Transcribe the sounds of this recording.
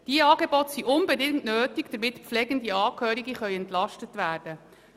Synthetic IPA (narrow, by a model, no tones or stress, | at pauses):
d̥iəɑːɡebɔt̪siʔʊnbedɪŋtnøːtiɡd̥̪əɾmɪtpflɛɡəndiɑːkhøːɾiɡiχœʏɛntlɑʃtətʋæːrd̥ə